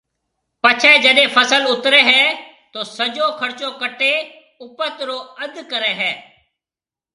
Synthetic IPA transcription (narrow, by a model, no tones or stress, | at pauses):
pət͡ʃʰɛːd͡ʒəɗẽːpʰəsəlʊt̪ɾɛːɦɛː | t̪oːsəd͡ʒoːkʰəɾt͡ʃõːkəʈeː | ʊpət̪ɾoːəd̪kəɾɛːɦɛː